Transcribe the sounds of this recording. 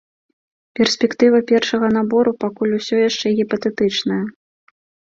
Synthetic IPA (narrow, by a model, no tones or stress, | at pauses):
pʲɛrsʲpʲɛkt̪ɨvɐpʲɛrʂɐɣɐnabɔɾupakulʲusʲɔjaʂt͡ʂɛɣʲipɐt̪ɛt̪ɨt͡ʂnɐjɐ